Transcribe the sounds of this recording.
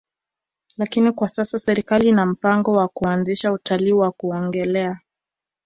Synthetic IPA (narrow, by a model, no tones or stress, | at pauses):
lakinikwasasasɛɾikaliinam̩paŋɡɔwakuanziʃautaliːwakuɔŋɡɛlɛa